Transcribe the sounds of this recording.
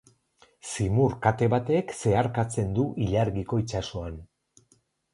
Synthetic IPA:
simuɾkat̪e̞βat̪e̞kse̞aɾkat͡se̞nd̪uʔiʎaɾɣiko̞it͡ʃaso̞an

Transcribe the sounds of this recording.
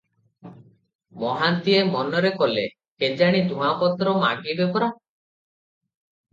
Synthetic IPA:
mɔɦant̪iemɔnɔɾekɔlḛ | ked͡ʒaɽ̃id̪ʱũapɔt̪ɾɔmaɡibepɔɾa

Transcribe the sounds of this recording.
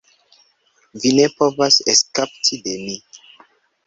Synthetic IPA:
vine̞povaseskap̚tʰide̞mi

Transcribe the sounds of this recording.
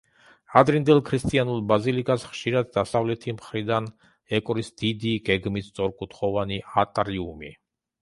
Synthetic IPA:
ad̪ɾind̪ɛlˠkʰɾist̪ʼianulˠbazilikʼasχʃiɾad̪ːasavlɛt̪ʰimχɾid̪an | ɛkʼɾisd̪̥id̪iɡɛɡmist̪sʼɔɾkʼut̪ʰχɔvaniat̪ʼɾiumi

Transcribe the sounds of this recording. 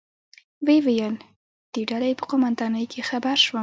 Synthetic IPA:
wewejəl | d̪̥eɖalajepəqʊmand̪ɑnəjkʰexabaɾʃwə

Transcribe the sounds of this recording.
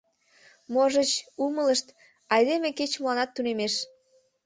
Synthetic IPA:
moʒət͡ɕumələʃt̪ | ɑjd̪emeket͡ɕməlɑnɑt̪ːunemeʃ

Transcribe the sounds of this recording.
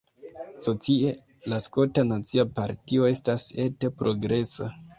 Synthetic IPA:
so̞t͡sie | lasko̞tanat͡siapaɾtio̞e̞stase̞tepɾʔo̞ɡɾe̞sa

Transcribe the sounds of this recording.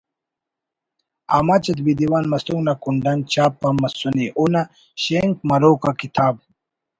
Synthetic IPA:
amat͡ɕɐt̪bid̪iwaːnmɐst̪uŋɡnakuɳɖant͡ɕaːpːamːɐsuniʔuna | ɕeŋkmɐɾoːkakit̪ʰaːb̚

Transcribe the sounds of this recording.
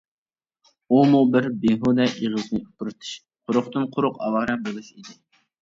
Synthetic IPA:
umubɪɾbeɦud̪ɛʔiʁɨznɨut̪ʰʊɾɨt̪ʰɨ̥ʃ | qʰʊɾʊχt̪ɨnqʰʊɾʊqɑ̰wɑːɾɛbolˠɨʃid̪ɪ

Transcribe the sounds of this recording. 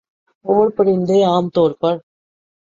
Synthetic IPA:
oːɾpɐɽɪnd̪eaːmt̪oːɾpɐɾ

